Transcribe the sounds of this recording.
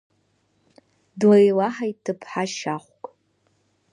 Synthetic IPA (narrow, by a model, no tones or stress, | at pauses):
dlajlaħajtʰɨpʰħaʃaχʷkʼ